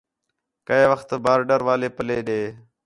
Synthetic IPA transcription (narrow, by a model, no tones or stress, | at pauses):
kəeːʋəxt̪baːɾɖəɾʋaːleːpəleːɗeː